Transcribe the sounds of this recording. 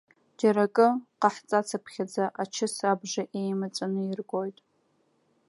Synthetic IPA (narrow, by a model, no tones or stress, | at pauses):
d͡ʒaɾakʼɨqaħt͡sʼat͡sʰapʰχʲad͡zaʔat͡ʃʰɨsabʐaʔejmat͡sʼanɨiɪrɡʷʼojtʼ